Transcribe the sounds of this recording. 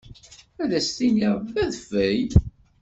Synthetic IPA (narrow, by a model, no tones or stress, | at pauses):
æðæst̪iniʁbæðfæj